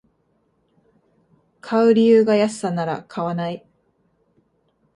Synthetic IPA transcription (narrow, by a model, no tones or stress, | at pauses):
kʰaɯ̟ɾʲijɯ̟ːɡajasɨ̥sanaɾa̰kʰaβanai